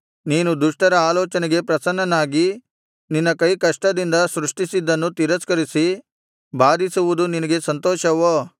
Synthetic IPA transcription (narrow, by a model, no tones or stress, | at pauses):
niːnud̪uʂʈɐɾɐaːlɔːt͡ʃɐnɛɡe̞pɾɐsɐnːɐnːaːɡi | ninːɐkɐjkɐʂʈɐd̪ind̪ɐsɾuʂʈisid̪ːɐnːut̪iɾɐskɐɾisi | baːd̪isuʋud̪uninɐɡe̞sɐnt̪ɔːʃɐʋoː